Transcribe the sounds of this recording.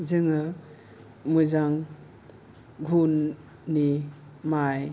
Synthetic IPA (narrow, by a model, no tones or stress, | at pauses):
zɯŋɯ | mujzaŋ | ɡʱunː | i | maj